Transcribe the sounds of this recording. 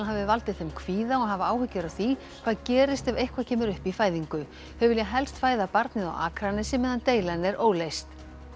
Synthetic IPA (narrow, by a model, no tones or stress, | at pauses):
ɦavɪvalt̪ɪθejmkʰv̥iːðaɔɣɦavaaːwhʏcːɪɾawθi | kʰvaːðcɛːɾɪst̪ɛvejhkʰvaðcʰɛːmʏɾʏhpifaːjðiŋkʏ | hɛvʏljaɦɛlst̪faːjðapaɾt̪nɪða̰wa̰ːkɾanɪsɛmːɛðant̪eːjlanɛɾʔoːwlejst̪